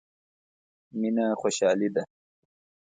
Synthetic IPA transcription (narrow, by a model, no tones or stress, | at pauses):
minaxoɕaːlid̪ɐ